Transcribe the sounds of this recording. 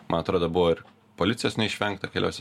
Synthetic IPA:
mɐnɐt̪ɾoːd̪obʊʋoːɪɾ | poːlʲɪt̪ʲɪjoːsnʲɛɪʃʲʋʲɛŋkt̪ɐkʲeːlʲɛʊsʲɛ

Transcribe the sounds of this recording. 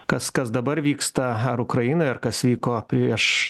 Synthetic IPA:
kɐskɐs̬d̪ɐbɐɾʋʲiːkst̪ɐɐɾʊkɾɐjɪnoːɪɐɾkɐsʋʲiːkoːpʲɾʲiɛʃ

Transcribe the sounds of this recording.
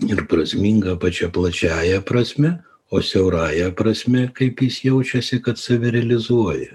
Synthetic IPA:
ɪɾpɾɐsʲmʲiŋɡɐpɐt͡ʃʲɛplˠɐt͡ʃʲæːjɛpɾɐsʲmʲɛ | oːsʲɛʊɾɑːjɛpɾɐsʲmʲɛkɐɪpjɪsjɛʊt͡ʃʲɛsʲɪkɐt̪sɐʋʲɪɾʲɛlʲɪzuɔjɛ

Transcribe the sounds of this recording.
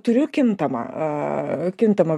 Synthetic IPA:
t̪ʊɾʲʊkʲɪnt̪ɐmɐ̰ | kʲɪnt̪ɐmɐ

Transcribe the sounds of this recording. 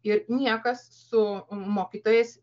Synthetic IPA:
ɪɾnʲiɛkɐs | sʊmoːkʲiːt̪oːjeːs

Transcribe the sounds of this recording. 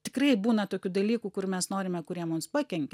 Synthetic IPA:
t̪ʲɪkɾrɐɪbuːnɐt̪oːkʲud̪ɐlʲiːkukʊrmʲɛsnoːɾʲɪmʲɛkʊɾʲiɛmʊmspɑkʲɛŋʲkʲ

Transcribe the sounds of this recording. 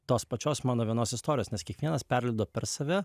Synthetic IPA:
t̪oːspɐt͡ʃʲoːsmɑːnoːʋʲiɛnoːsɪst̪oːɾʲɪjoːsnʲɛskʲiɛkʋʲiɛnɐspʲɛɾʲlʲɛɪd̪oːpʲɛɾsɐʋʲɪ

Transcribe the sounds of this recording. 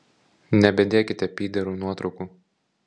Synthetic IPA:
nʲɛbʲɛd̪ʲeːkʲɪt̪ʲɛpʲiːd̪ʲɛɾuːnuɔt̪ɾɒʊkuː

